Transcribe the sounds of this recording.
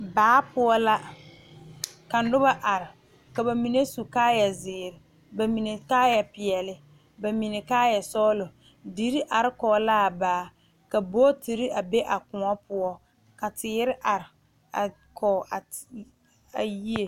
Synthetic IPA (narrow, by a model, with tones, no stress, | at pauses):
baː˨˦pʊ˦ɔ˦la˦ | ka˨n˦dʊ˦ba˦ʔa˨ɾɪ˨ | ka˨ba˨mi˨ne˦su˨kaː˦jɛ˨zɪː˨ɾɪ˨ | ba˨mi˨ne˨kaː˦jɛ˨pɪ˨ɛ˨lɪ˦ | ba˨mi˨ne˨kaː˦jɛ˨sɔ˦lʊ˨ | di˨˦ɾi˦ʔa˨ɾɪ˦kɔː˨˦la˦a˨baː˨˦ | ka˨bo˦ti˨ɾi˦a˨be˦ʔa˨kʊ˨ŋɔ˦pʊ˦ɔ˦ | ka˨tɪː˨˦ɾɪ˦ʔa˨ɾɪ˨ | a̰˨ | kʰɔ˨a˨ | a˨ji˦e˨